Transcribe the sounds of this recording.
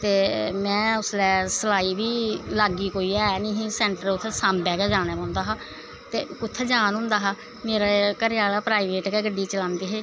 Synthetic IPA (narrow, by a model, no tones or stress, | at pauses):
t̪eːmɛ̃ːʊslɛːsəlaːiːbiːlaːɡiːkoːiːɛːnĩːɦĩːsɛ̃ːɳʈəɾʊt̪ʰːsãːmbɛːɡɛːd͡ʒaːɽ̃ɛːõːnd̪aːɦaː | t̪eːʊt̪ʰːɛːd͡ʒaːnɦʊ̃ːnd̪aːɦaː | meːɾaːkəɾɪjaːlaːpɾaːiʋeːʈkɛːɡəɖːiːt͡ʃəlãːnd̪iːɦeː